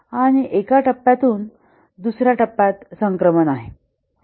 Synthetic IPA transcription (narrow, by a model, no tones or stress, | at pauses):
aɽ̃iʔekaʈəpːat̪uːn | d̪usɾjaʈəpːat̪səŋkɾəmənaɦe